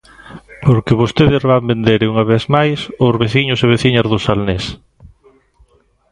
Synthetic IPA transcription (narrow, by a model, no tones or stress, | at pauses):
poɾkeβost̪eðɪzβambend̪eɾuŋaβ̞eθmajsozβeθiɲʊseβ̞eθiɲazðʊsalnes